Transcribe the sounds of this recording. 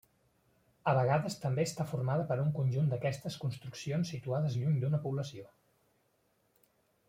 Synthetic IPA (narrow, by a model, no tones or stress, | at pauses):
əβəɣaðəst̪əmbeəst̪afurmaðəpəɾuŋkunʲʒund̪əkɛst̪əskunst̪ɾuksionsːit̪uaðəzʎuɲd̪unəpuβləsio